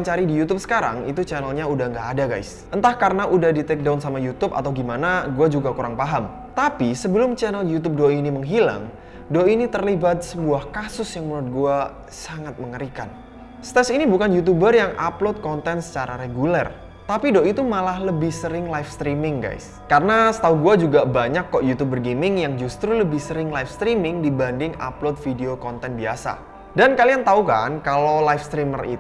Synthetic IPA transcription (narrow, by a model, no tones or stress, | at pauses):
ɲt͡ʃaɾidijut̪ʊp̚sə̥kaɾa̰ŋḭt̪ut͡ʃɛnəlɲaudaŋɡaːdaɡa̰js | ʔənt̪ahkaɾənaʔudahdit̪ɛk̚daunsamajut̪ʊpa̰t̪awɡimanaɡuad͡ʒuɡakuɾaŋpaɦam | t̪apisəbəlʊmt͡ʃɛnəljut̪̬ʊp̚doiniməŋɦila̰ŋ | doinit̪ərlibat̪̚səbuahkasʊsjaŋməɾʊt̪̚ɡua | saŋat̪̚məŋəɾikan | st̪ɛsinibukanjut̪̬ubərjaŋʔaplot̪̚kɔnt̪ɛnsə̥t͡ʃaɾa̰ɾeɡulɛr | t̪apidoʔit̪umalahləbɪhsəɾɪŋlajfst̪ɾimɪŋɡa̰js | kaɾənasə̥t̪auɡuad͡ʒuɡabaɲakːɔʔjut̪ubərɡemɪŋjaŋd͡ʒust̪ɾuləbɪhsəɾɪŋlajfst̪ɾimɪŋdibandɪŋa̰plot̪̚fideokɔnt̪ɛnbiasa̰ | dankaliant̪auka̰nkalowlajfst̪ɾimərḭt̪